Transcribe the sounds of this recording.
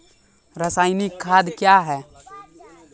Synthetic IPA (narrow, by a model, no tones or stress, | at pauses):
ɾəsaːɪnikʰːaːd̪kjaɦɛː